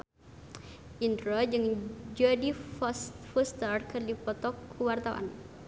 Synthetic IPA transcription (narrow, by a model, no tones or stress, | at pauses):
ʔind̪ɾɔd͡ʒɨŋd͡ʒadi | fɔst̪ərkərdipɔt̪ɔkʰːəwart̪awa̰n